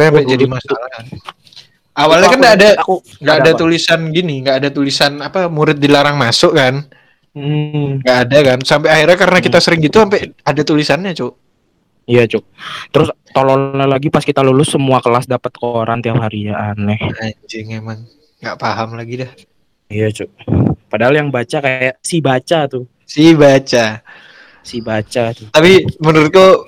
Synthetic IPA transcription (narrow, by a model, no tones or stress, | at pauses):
aampɛd͡ʒadimasalakan | awalɲakanɡaːda | ŋɡaadat̪ulisanɡiniŋɡaʔːdat̪ulisanapamuɾɪt̪̚dilaɾaŋmasʊʔkan̩ | ŋɡaʔːdakansampɛahirɲakaɾənakit̪asəɾɪŋɡit̪uampɛadat̪ulisanɲat͡ʃo | ijat͡ʃo | t̪əɾʊst̪olonalaɡipaskit̪alulʊsːəmuakəlasdapət̪̚kəoɾant̪iaphaɾiaanːɛhad͡ʒɪŋemaŋ | ɡaʔpaɦamlaɡidɛh | ijat͡ʃoʔpadaɦaljaŋbat͡ʃakajaʔsibat͡ʃat̪ʊ | sibat͡ʃa | sibat͡ʃat̪ʊt̪apimənəɾʊt̪̚ko